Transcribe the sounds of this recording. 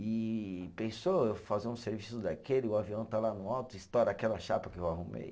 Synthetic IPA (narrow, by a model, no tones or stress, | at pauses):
ipẽsoewfazeũseɾvisʊd̪akelɪʊaviɐ̃w̃t̪alanʊ̃awt̪ʊist̪ɔɾakɛlɐʃapɐkɪewaɦumḛj